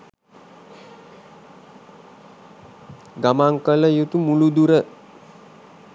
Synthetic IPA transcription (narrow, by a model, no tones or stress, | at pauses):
ɡamaŋkələjut̪umulud̪uɾə